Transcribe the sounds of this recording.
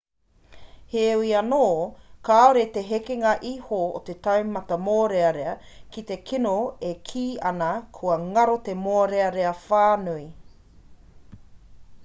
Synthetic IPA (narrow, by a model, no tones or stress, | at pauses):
hewiɐnoːkaːoɾet̪eɦekeŋɐʔihoo̰t̪et̪ɐwmɐt̪ɐmoːɾeɐɾeɐ | kit̪e̞kʰinoekʰiːɐnɐkʰuɐŋɐɾot̪emoːɾeɐɾeɐfaːnui